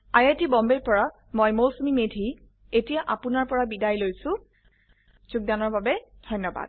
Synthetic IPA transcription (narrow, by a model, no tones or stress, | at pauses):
ajatibɔmbeɹpɔɹa | mɔjmowsmimedʱi | etijaʔapʊnaɹpɔɹabidajlojsʊ̃ | zuɡ̚danɔɹbabɛdʱɔjnːɔba̰d̥̚